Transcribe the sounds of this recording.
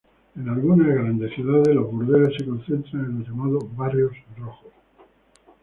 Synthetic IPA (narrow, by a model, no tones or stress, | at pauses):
enalɣunazɣɾand̪e̞sθjuðaðezlozβuɾðeɾesekõ̞nθe̞nt̪ɾanenoʝamaðoβarjosrroxos